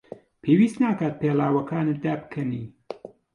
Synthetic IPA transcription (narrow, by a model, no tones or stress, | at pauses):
pʰeːwiːst̪naːkaːt̪̚peːlaːwɐkʰaːnɨd̪aːbkʰɐniː